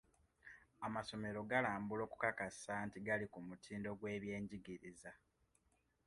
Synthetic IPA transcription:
amaso̞me̞ɾo̞ɡalaːmbulo̞ːku̥kakasaːntiɡalikumutʰiːndo̞ɡwe̞ːβje̞ːɲɟiɡiɾiza

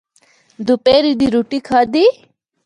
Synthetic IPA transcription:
d̪upeːɾid̪iɾuʈikʰaːd̪i

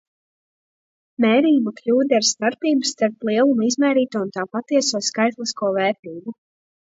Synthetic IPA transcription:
mɛːɾiːmaklʲuːd̪ʲɛaɾst̪aɾpiːbusːt̪aɾplˠiɛlˠumizmɛːɾiːt̪uɔunt̪aːpat̪iɛsuɔskajt̪lˠiskuɔvɛːɾt̪iːbu

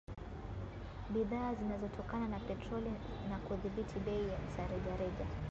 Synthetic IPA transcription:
ɓiðaːzinazɔtʰɔkananapɛtɾɔli | nakuðiɓitʰiɗɛijam̩saɾɛʄaɾɛʄa

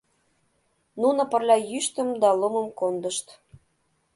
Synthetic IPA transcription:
nunə̆pərlʲɑjyʃt̪əmd̪ɑlomə̆mkond̪əʃt̪

